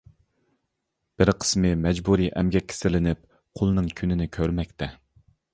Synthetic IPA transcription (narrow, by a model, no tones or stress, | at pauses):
b̥ɪɾqʰə̥smɨmɛd͡ʒbuɾiʔɛmɡʲɛkʲʰːe̥sɪlɪnɪp̚ | qʰolˠnɨŋkʲʰynɪnɪkʲʰøɾmɛkʲt̪ʰɛ